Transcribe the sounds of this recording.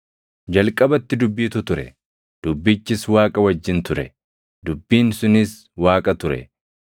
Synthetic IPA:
d͡ʒɐlkʼɐbɐt̪ːɪd̪ʊbːiːt̪ʊt̪ʊɾɛ̰ | d̪̥ʊbːɪt͡ʃːɪswaːkʼɐwɐd͡ʒːɪnt̪ʊɾɛ | d̪ʊbːiːnsʊnɪs | waːkʼɐt̪ʊɾɛ̰

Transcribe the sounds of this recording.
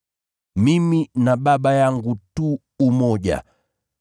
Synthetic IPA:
miminaɓaɓajaŋɡutuː | mɔɟa̰

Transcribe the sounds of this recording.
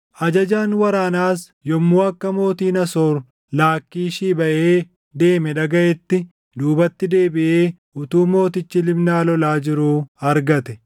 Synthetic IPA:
ʔɐd͡ʒɐd͡ʒaːnwɐɾaːnaːs | jɔmːuːɐkːɐmo̞ːt̪iːnɐsoːɾ | laːkːiːʃiːbɐʔeː | d̪e̞ːmɛᶑɐɡɐʔɛt̪ːɪ | d̪uːbɐt̪ːɪd̪e̞ːbɪʔe̞ː | ʊt̪uːmo̞ːt̪ɪt͡ʃːɪlɪbnaːlɔlaːd͡ʒɪɾuːɐɾɡɐt̪ɛ

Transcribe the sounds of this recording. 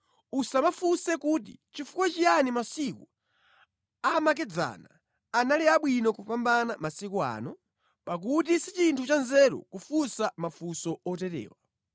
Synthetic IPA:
usamafusɛkut̬ḭt͡ʃifukwat͡ʃijanimasiku | amak̬ɛd͡za̰naː | naliaɓwinɔkupambanamasikɔa̰ːnɔ | pak̬ut̬isit͡ʃintʰut͡ʃanzɛɾɔ̰kufusamafusɔɔtɛtɛ̰ːwa

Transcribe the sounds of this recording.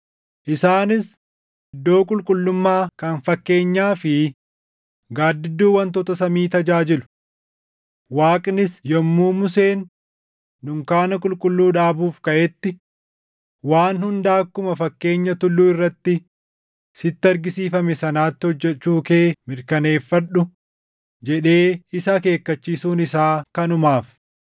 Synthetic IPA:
ʔɪsaːnɪs | ɪd̪ːo̞ːkʼʊlkʼʊlːʊmːaːkɐnfɐkːe̞ːɲːaːfɪ | ɡaːd̪ːɪd̪ːuːwɐnt̪̬ɔt̪ɐsɐmiːt̪ɐd͡ʒaːd͡ʒɪlʊ̥ | waːkʼnɪsjɔmːuːmʊseːnː | ʊŋkaːnɐkʼʊlkʼʊlːuːᶑaːbuːfkɐʔɛt̪ːɪ | waːnhʊnd̪aːkːʊmɐfɐkːe̞ːɲːɐt̪ʊlːuːɪrːɐt̪ːɪ | sɪt̪ːɪɐɾɡɪsiːfɐmɛsɐnaːt̪ːɪhɔd͡ʒːɛt͡ʃːuːkeːmɪɾkɐne̞ːfːɐᶑʊ | d͡ʒɛᶑe̞ːɪsɐke̞ːkːɐt͡ʃːiːsuːnɪsaːkɐnʊmaːf

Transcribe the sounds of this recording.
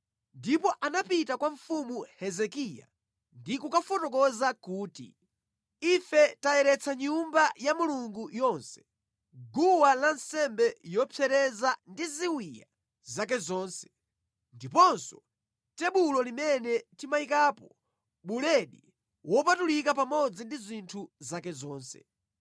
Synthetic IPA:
ndipɔʔanapitakwaɱfumuhɛzɛkija̰ | ndikukafɔtɔkɔzakuːtḭ | ifɛtajɛɾɛt͡sʰaɲumbajamuluŋɡujɔnsɛ̥ | ɡuwalansɛmbɛjɔpʰɛɾɛzandiziwija | zak̬ɛzɔːnsɛ̥ | ndipɔnsɔ | tɛɓulɔlimɛnɛtimaikaːpɔ | ɓulɛɗi | wɔpatulikapamɔd͡zindizʷintʰuzakɛzɔːnsɛ̰

